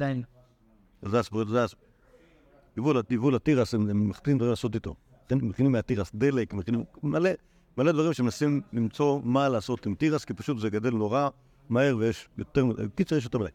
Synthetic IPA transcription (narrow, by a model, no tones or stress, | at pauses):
dain | zasboʁetzas | ivulaivulat̪iʁasemeχt̪imnd̪vaʁimlasot̪̬it̪o̰ | aχenmeχinimeat̪iʁasd̪elekmeχinimmale | maled̪vaʁimʃemenasimlimt͡so̞malaːso̞t̪imt̪iʁaskipaʃut̪zeɡad̪elːoʁa | maheʁvejeʃjot̪eʁkit͡sejeʃjotembelaj